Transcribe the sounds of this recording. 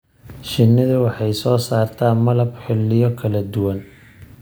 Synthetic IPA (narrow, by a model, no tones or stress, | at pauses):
ʃɪnːɪðʊwɑħɑjsɔːsaːrt̪ʰaːmɐlɐbħɪlːɪjɔkʰɐlɐd̪ʊwɐn